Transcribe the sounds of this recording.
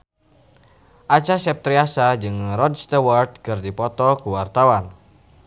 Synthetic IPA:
ʔat͡ʃasɛp̚t̪ɾiasad͡ʒɨŋrɔdst̪award̪̚kɨrdipɔt̪ɔkuwart̪awan

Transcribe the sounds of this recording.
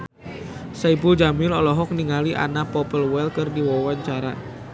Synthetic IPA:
saibud͡ʒamɪlɔlɔɦɔk̚niŋaliʔa̰napɔpəlwɛlkɨrdiwɔwaɲt͡ʃaɾa̰

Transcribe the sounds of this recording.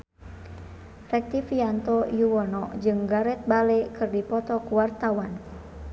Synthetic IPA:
rɛk̚t̪ifiant̪ɔjuwɔnɔd͡ʒɨŋɡaɾɛt̪̚balɛkɨrdipɔt̪ɔkuwart̪awan

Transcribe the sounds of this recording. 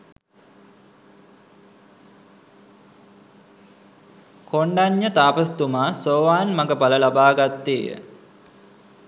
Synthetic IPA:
kʰoɳɖaɲːət̪aːpəst̪umaːsoːʋaːnmaɡəpaləlabaːɡat̪ːeːjə̰

